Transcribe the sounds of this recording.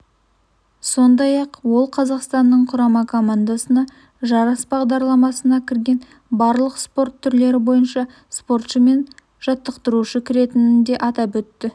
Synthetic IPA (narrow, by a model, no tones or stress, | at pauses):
so̞nd̪ɑjɑqwo̞lˠqʰɑzɑqst̪ɑnːəɴqʰʊɾɑmɑkʰo̞mand̪asənɑ | ʒɑɾɑsbɑʁd̪ɑɾlˠɑmɑsənɑkʲʰɪɾɡʲe̞n | bɑɾlˠəqspo̞rt̪ʰːʏɾle̞ɾɪbo̞jənʃɑ | spo̞rt̪ʃəme̞n | ʒ̥ɑt̪ːəqt̪əɾuʃəkʲʰɪɾe̞t̪ɪnɪnd̪e̞ʔɑt̪ɑpɵt̪ːɪ